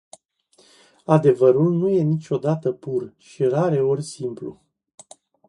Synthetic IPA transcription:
ad̪e̞vəɾulnuje̞nit͡ʃo̞d̪at̪əpurʃiraɾe̞o̞rʲsimplṵ

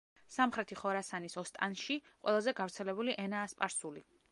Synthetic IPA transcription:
samχɾɛt̪ʰiχɔɾasanisɔst̪ʼa̰nʃiqʼwɛ̰lˠazɛɡavɾt̪sʰɛlɛbuliʔɛnaːspʼaɾsuli

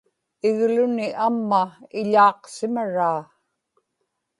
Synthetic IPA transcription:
ɪɣlʊnɪʔamːaɪʎɑːqsɪmaɻaː

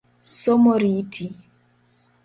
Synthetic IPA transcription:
somoɾitʰi

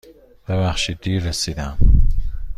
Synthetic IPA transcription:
b̥eβæχʃid̪iːɾːesid̪æm

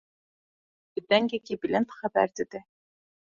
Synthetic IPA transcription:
bɘ̆d̪æŋɡækibɘ̆lʲent̪χæbæ̰ɾt̪ɘ̆d̪ɘ

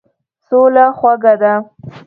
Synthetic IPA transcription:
solaxwaɡad̪a

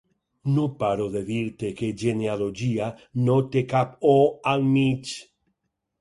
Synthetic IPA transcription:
nopaɾoðeðiɾt̪ekeʝenealoʝianot̪ekap̚oalmit͡ʃ

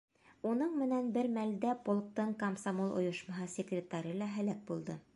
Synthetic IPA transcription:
unɤɴmɘ̆nænbɘɾmæld̪æpolˠk̚t̪ɤɴkɐmsamolˠʔŏ̰jŏʃmɑɦɑsʲɪkrʲɪt̪ːɑɾɤlˠɑɦælæk̚bulˠd̪ɤ

